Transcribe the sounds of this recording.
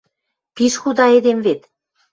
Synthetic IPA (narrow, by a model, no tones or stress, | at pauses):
piʃxud̪ɑed̪emvet̪